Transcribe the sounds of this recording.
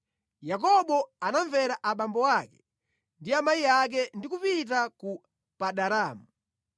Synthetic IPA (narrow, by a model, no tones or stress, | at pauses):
jak̬ɔɓɔanaɱvɛɾaʔaɓambɔwakɛ̥ | ndiamajiak̬ɛndikupit̬aku | paɗaɾaːmu